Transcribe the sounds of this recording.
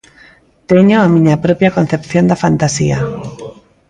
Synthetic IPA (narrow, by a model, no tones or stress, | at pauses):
t̪eɲoamĩɲapɾɔpjakonθepθjond̪afant̪asḭa